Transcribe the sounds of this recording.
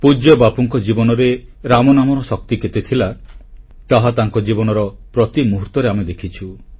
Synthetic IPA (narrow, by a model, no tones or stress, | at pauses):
pud͡ʒɔbapuŋkɔd͡ʒibɔnɔɾeɾamɔnamɔɾɔsɔk̚t̪iket̪et̪ʰila | t̪aɦat̪aŋkɔd͡ʒibɔnɔɾɔpɾɔt̪imuɦuɾt̪ɔɾeamed̪ekʰit͡ʃʰu